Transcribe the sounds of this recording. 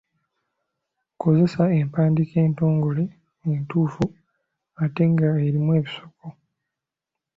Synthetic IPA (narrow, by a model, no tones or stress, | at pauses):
ko̞ze̞saempaːndike̞ːnto̞ːŋɡo̞le | entuːfu | ate̞ŋɡaeɾimwe̞ːβisoko